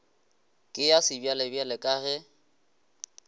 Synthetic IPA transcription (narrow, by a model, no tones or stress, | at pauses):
kʼɪjasɪbjalɪbjalɪkʼaːɣɛ